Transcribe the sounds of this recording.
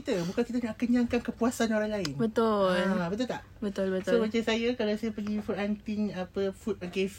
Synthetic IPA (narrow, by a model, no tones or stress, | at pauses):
it̪əbukankit̪ənaʔkəɲaŋkankəpuasanoɾaŋlaɪnbət̪ʊlbət̪ʊt̪aʔʔbət̪ʊlbətsomãt͡ʃansajakalasajapəɡifut̪̚ant̪ɪŋapəfut̪̚ɡef